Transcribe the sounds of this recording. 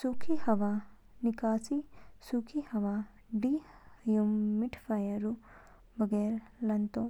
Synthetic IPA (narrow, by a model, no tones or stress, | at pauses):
sukʰihɐʋa | nikaːsisukʰihɐʋa | ɖijomːiʈʰfajɐɾu | bɐɡeɾlɐnt̪o